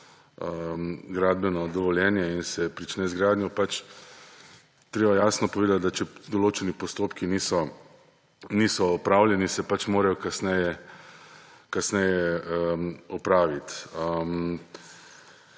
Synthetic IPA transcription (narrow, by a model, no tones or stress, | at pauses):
əmɡɾaːd̪̚bɛnɔd̪ɔʋɔljɛːnjɛinsɛpɾit͡ʃnɛzɡɾaːd̪njɔpat͡ʃ | t̪ɾeːbajaːsnɔpɔʋeːd̪at̪̚d̪at͡ʃɛd̪ɔloːt͡ʃɛnipɔst̪oːpkinisɔ | niːsɔːpɾaːwljɛnisɛpat͡ʃmoːɾajɔkasnɛjɛ | kasnɛjɛ | ɔpɾaːʋit̪əm